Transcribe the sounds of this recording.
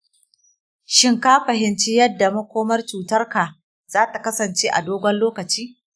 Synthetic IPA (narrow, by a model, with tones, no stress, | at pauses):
ʃɪ˦ŋka˦ɸɐ˨ɦɪ˨nt͡ʃi˦jɐ˦dːa˨mɐ˦kʷoː˦mɐ˦rt͡ʃuː˨tɐ˦rka˨ | z̥aː˦ta˨kɐ˦sɐ˨nt͡ʃeː˦ʔa˨doː˦ɡʷɐ˦nloː˦kɐ˨t͡ʃiː˦